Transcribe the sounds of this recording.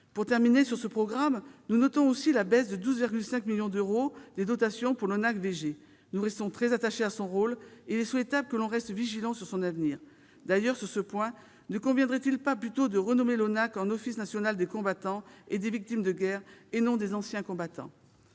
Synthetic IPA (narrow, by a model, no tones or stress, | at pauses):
puʁt̪ɛʁminesyʁsəpχɔɡʁamnunɔt̪ɔ̃osilabɛsd̪əd̪uzviʁɡʲylsɛ̃kmiljɔ̃d̪øʁod̪̥ed̪ɔt̪asjɔ̃puʁlɔnakveʒe | nuʁɛst̪ɔ̃t̪χɛzat̪aʃeasɔ̃ʁolilɛswɛt̪abləkəlɔ̃ʁɛst̪viʒilɑ̃syʁsɔ̃navniːʁ | d̪ajœʁsyʁsəpwɛ̃ | nəkɔ̃vjɛ̃d̪ʁɛt̪ilpaplyt̪od̪əʁənɔmelɔnakɑ̃nɔfisnasjɔnald̪ekɔ̃bat̪ɑ̃ed̪evik̚t̪imd̪əɡɛʁenɔ̃d̪ezɑ̃sjɛ̃kɔ̃bat̪ɑ̰̃